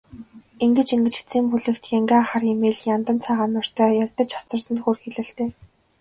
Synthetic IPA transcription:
eŋɡɘ̆t͡ɕiŋɡɘ̆t͡ɕi̥t͡siːmpuɮɘ̆kt̪jaŋɡʲaχaːrjemeːɮjant̪ə̆nt͡sʰaːʁaːmʊ̆r̥t̪ʰœːjakt̪ə̆t͡ɕɔ̥t͡sə̆rsə̆nt̪xurxeɮɘ̆ɬt̪eː

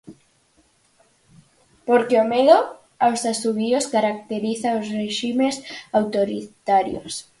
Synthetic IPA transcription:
poɾkeomeðo | awsasuβioskaɾak̚t̪eɾiθaosreʃimesawt̪oɾit̪aɾjo̰s

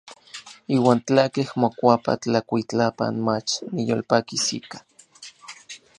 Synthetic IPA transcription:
iːwaːnt͡ɬakehmokʷapa̰t͡ɬakʷit͡ɬapa̰nmat͡ʃnijolpakisḭkḁ

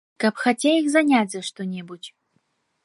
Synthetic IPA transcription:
kapxɐtʲejixzɐnʲatʲzɐʂt̪onʲɛbutʲ

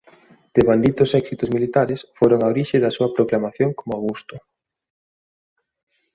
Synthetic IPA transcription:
d̪̥eβand̪it̪ʊsɛksit̪ʊzmilit̪aɾesfoɾoŋaoɾiʃɪðɐsuɐpɾoklamaθjoŋkomʊawɣust̪ʊ

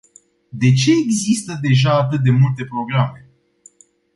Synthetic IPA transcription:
d̪e̞t͡ʃe̞ːɡzist̪əd̪e̞ʒaːt̪ɨt̪̚d̪e̞mult̪e̞pɾo̞ɡɾame̞

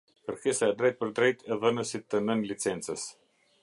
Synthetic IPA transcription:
pəɾkisaɛd̪ɾɛjt̪̚pəɾd̪ɾɛjt̪ʰɛðənəsit̪ːənənlit͡sɛnt͡səs

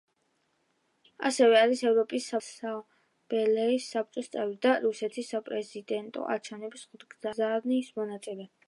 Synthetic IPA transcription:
a̰sɛvɛaɾisɛvɾɔpʼisːasa | b̥ɛlɛisːap̚t͡ʃʼɔst̪sʼɛvɾid̪aɾusɛt̪ʰisːapʼɾɛzid̪ɛnt̪ʼɔ̰ʔa̰ɾt͡ʃʰɛvnɛbsχud̪ɡzazaɾniːsmɔnat̪sʼɛlɛ

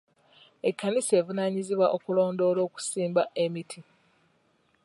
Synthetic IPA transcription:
ekːanise̞ːvunaɲiziβwaʔo̞kulo̞ːndo̞ːlo̞ːku̥siːmbaʔemitʰi

